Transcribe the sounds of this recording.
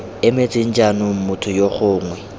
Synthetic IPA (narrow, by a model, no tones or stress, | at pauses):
ɪmet͡sʼɪn̩d͡ʒanʊm̩mʊtʰʊjoχʊːŋwɛ